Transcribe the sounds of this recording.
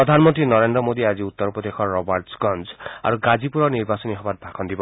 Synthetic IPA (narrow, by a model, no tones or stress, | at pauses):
ɔd̪ʱanmɔnt̪ɾinɔɾend̪ɾɔmod̪iad͡ʒiut̪ːɔɾpɾɔd̪exʰɔɾɔbaɾtsɡɔnd͡ʒa̰ɾuɡad͡ʒipuɾɔniɾbasɔniɦɔbat̪̚bʱakʰɔnd̪ibɔ